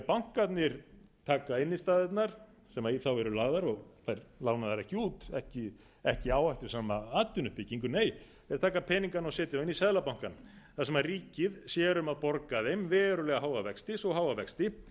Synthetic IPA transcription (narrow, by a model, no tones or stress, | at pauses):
pawŋ̥kat̪nɪɾt̪ʰaːkaɪnːɪst̪aːðɛt̪naɾ̥ | sɛmaiθawɛɾʏlaːɣðaɾɔɣθajɾlaːwnaðθaɾɛhcɪuːt̪ɛhcɪ | ɛhcɪaːwajht̪ʏɾ̥saːmaaːt̪ʏnʏhpɪciŋkʏneːj | ɛɾt̪ʰaːkapʰɛniŋkanɔsɛːt̪ɪaɪnːisɛðlapawŋ̥kan | θaðs̬ɛmarriːcɪðsjɛːɾʏmaðpɔɾkaðejmvɛːɾʏlɛɣaɦaːwɣavɛkst̪ɪsɔɦawvavɛkst̪ɪ